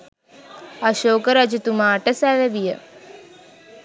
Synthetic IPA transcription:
aʃoːkəɾad͡ʒit̪umaːʈəsæʋeʋijə̰

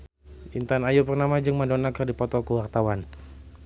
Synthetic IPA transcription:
ʔint̪anajupərnamad͡ʒɨŋmadɔnakərdipɔt̪ɔkəwart̪awan

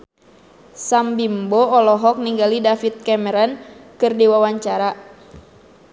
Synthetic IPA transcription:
sambimboɔlɔɦɔk̚niŋɡalidafit̪̚kɛmɛɾɔnkɨrdiwawaɲt͡ʃaɾa

